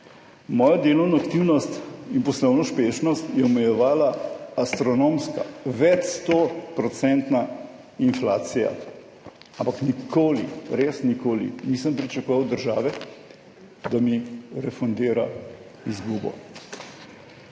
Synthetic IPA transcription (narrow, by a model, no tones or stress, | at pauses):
mɔːjad̪eːlɔwnɔakt̪iwnɔst̪inpɔslɔwnɔʃpeːʃnɔst̪jɛɔmɛjɛʋaːlaːst̪ɾɔnoːmska̰ʋɛt͡ʃst̪ɔpɾɔt̪sɛnt̪na | inflaːt̪sija̰ | ampaknikʰoːlḭɾesnikoːlḭniːsəmpɾit͡ʃakoʋawd̪əɾʒaːʋɛ | d̪amiɾɛfɔnd̪eːɾa | izɡuːbɔ̰